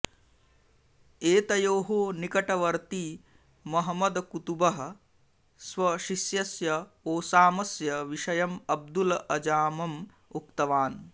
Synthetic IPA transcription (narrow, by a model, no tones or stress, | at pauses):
eːt̪ɐjoːɦoːnikɐʈɐʋɐɾt̪i | mɐɦɐmɐd̪kut̪ubɐɦɐ̆ | sʋɐʃiʃjɐsjɐoːsaːmɐsjɐʋiʂɐjɐmɐb̚d̪ulɐʔɐd͡ʒaːmɐm | ukt̪ɐʋaːn